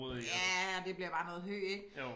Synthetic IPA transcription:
jæd̥e̝b̥liɐb̥ɑ̈ːnɔ̽ːðˠɦø̰ːeɡ̥

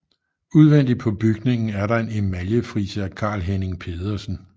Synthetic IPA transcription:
uð̞ˠʋen̰d̥ipʰɒ̽b̥yɡ̥ne̝ŋn̩æɐɾɑ̈e̝nemæljəfʁiːsəkʰɑ̰̈ːlɦene̝ŋpʰe̝ðˠɐsn̩

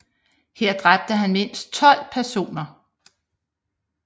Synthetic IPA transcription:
heɐ̰d̥ʁab̥̚d̥əɦænme̝n̰sd̥̚t͡sʰɒ̽l̰pʰæɐso̝̰ːnɐ

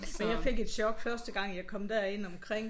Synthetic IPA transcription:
ɒjɑ̈ɪfe̝ɡ̥e̝d̥ɕɒɡ̥fɶɐsd̥əɡ̥ɑ̈ŋ̰jɑ̈ɪkʰɒ̽md̥æɐe̝n̰ɒ̽mkʰʁeŋ̰

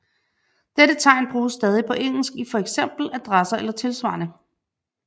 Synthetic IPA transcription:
d̥eɾət͡sʰɑ̈ɪ̰nb̥ʁuːsːd̥ɛːð̞ˠipʰɒ̽ʔeŋ̰l̩sɡ̥ifɒ̽eɡ̥sem̰b̥l̩æd̥ʁasɐelɐt͡sʰe̝lsʋɑ̈ːnə

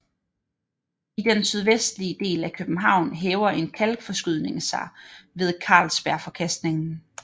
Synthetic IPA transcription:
id̥ensyð̞ˠʋesd̥liəd̥e̝̰ːlækʰøb̥n̩ɦɑ̈ʊ̰nɦɛːʊɐe̝nkʰælɡ̥fɒ̽sɡ̥yð̞ˠne̝ŋsɑ̈ɪʋe̝ð̞ˠkʰɑ̰̈ːlsb̥æɐ̰fɒ̽kʰæsd̥ne̝ŋn̩

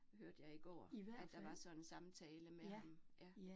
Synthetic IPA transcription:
høɐd̥ə̥jɑ̈ɪiɡ̥ɒ̰ːæ̥ɑ̈ʋɑ̈sɒ̽ensɑ̈mt͡sʰɛːləmehɑmjʔæ

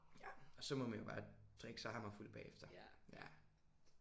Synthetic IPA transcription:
jæɒ̽sɒ̽mɔ̽mænjobɑ̰̈ːd̥ʁeɡ̥sɑhɑmɑful̰̚b̥ɛ̰ːefd̥ɐjæ

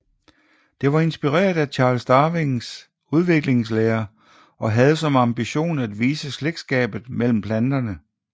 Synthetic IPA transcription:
d̥e̝ʋɑ̈e̝nsb̥iʁḛːɐd̥æt͡ɕʰɑ̈ːlsd̥ɑːʋeŋs | uð̞ˠʋe̝ɡ̥le̝ŋsleːɐ | ʔɒ̽ɦæð̞̩ˠəsɒ̽mɑ̈mb̥iɕo̝̰ːnæd̥ʋiːsəsleɡ̥sɡ̥ɛ̰ːb̥ð̞̩ˠmel̰m̩pʰlænd̥ɐnə

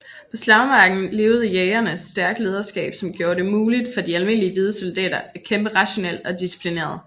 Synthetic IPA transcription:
pʰɒ̽slɑʊmɑ̈ːɡ̥n̩le̝ːʊð̞̩ˠəjɛɪɐnə̥sd̥æɐɡ̥le̝ːð̞ˠɐsɡ̥ɛ̰ːb̥sɒ̽mɡ̥jo̝ːɐde̝muːlid̥fɒ̽d̥iælme̝n̰liəʋið̞ˠəsold̥ɛ̰ːdɐækʰemb̥əʁɑ̈ɕo̝nel̰ɒ̽d̥isi̥pʰline̝̰ːɐðˠ

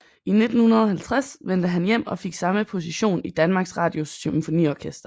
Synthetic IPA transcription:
ʔine̝d̥n̩hunɐð̞ˠɒhælt͡sʰʁasʋen̰d̥əɦænjem̰ɒ̽feɡ̥sɑ̈məpʰo̝siɕo̝̰ːnid̥ænmɑ̈ːɡ̥sʁɑ̈ːd̥jo̝symfo̝nḭːɒːkʰesd̥ɐ

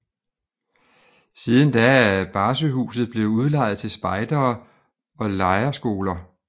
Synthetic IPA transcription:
siðˠn̩d̥ææb̥ɑ̈ːs̬əɦṵːsð̩ˠb̥le̝ʊuð̞ˠlɑ̈ɪð̞̩ˠt͡sʰe̝lsb̥ɑ̈ɪd̥ɐː | ɒ̽lɑ̈ɪɐsɡ̥o̝ːlɐ

